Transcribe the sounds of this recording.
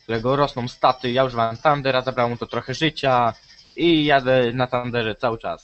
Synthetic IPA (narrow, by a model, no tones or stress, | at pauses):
k̚t̪uɾɛɡɔɾɔsnɔ̃w̃st̪at̪ɘjauʐɛvawɛmt̪and̪ɛɾazabɾawɛmt̪ɔt̪ɾɔxɛʐɘt͡ɕa | ijad̪ɛnat̪and̪ɛʐɛt̪sawɘt͡ʂa̰s